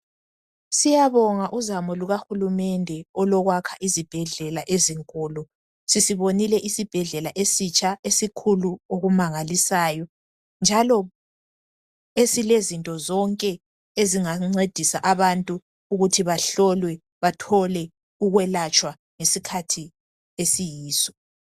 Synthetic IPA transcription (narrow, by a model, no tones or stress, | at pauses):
sijaβɔŋaʔuzamɔluɣaxulumɛndʱɛɔlɔɣwakʰaʔizib̥ʱɛɮɛlaʔeziŋkʼuːlu | sisiβonilɛʔisib̥ʱɛɮɛlaʔesit͡ʃʰʼaesikʰuluoɣumaŋalisaːjɔ | nd͡ʒʱalɔ | esilezintʼɔzɔŋkʼɛ | eziŋaŋ͡ǀed̥ʱisaʔaβantʼu | uɣutʰiβaɬɔlwɛ | βatʰɔlɛ | uɣwɛlat͡ʃʼwa | ŋesikʰatʰi | esijiːsɔ̥